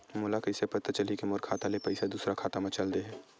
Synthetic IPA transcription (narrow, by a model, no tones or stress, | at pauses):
mʊːlakɐɪsepɐt̪t͡ʃɐlikemoɾkʰaːt̪alepɐɪsad̪uːsɾakʰaːt̪amɐ̃t͡ʃɐld̪eɦɛ̃ː